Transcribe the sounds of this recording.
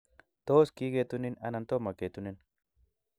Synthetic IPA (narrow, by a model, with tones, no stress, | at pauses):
t̪oː˦skiː˦ɡe˨t̪ʊ˦nɪ˦nɐ˨nɐ˨nt̪o˦mɐ˨keː˨t̪ʊ˦nɪ˦n